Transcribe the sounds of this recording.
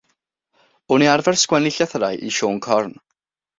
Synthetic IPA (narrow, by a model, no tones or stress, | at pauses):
ʊniaɾrvɛrskwɛnɪɬjaθrajʔḭʃoːŋkʰɔrn